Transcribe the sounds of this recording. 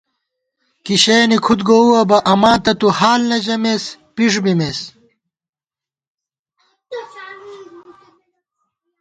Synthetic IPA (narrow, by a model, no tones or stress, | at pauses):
kiɕeːnikʰut̪ɡouwɐbɐʔɐmaːt̪ɐt̪uhaːlnɐd͡ʑɐmeːspiʂ̬bimeːs